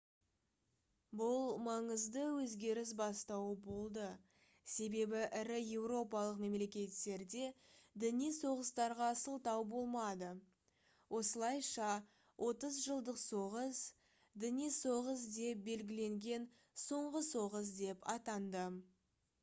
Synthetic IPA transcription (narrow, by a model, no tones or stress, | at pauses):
bʊlˠmɑɴəzd̪əwɵzɡʲe̞ɾɪs̬bɑst̪ɑwəbo̞lˠd̪ə | se̞be̞bɪʔɪɾɪje̞wɾo̞pɑlˠəqme̞mle̞kʲe̞t̪ːe̞ɾd̪e̞d̪ɪnijso̞ʁəst̪ɑɾʁɑsəlˠt̪ɑwbo̞lˠmɑd̪ə | wʔo̞səlˠɑjʃɑ | wʔo̞t̪əzʒəlˠd̪əqso̞ʁəs | d̪ɪnijso̞ʁəsd̪e̞p̚be̞lɡʲɪle̞ŋɡʲe̞n | so̞ɴʁəso̞ʁəs̬d̪e̞pɑt̪ɑnd̪ə